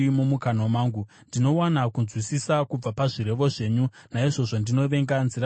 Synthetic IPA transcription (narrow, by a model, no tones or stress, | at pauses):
mumukanomaːŋɡu | ndino̞wanakunzwisisakub͡vapaʐiɾe̞ʋo̞ʐe̞ːɲu | naiʐo̞ʐo̞ndino̞ʋe̞ŋɡanzira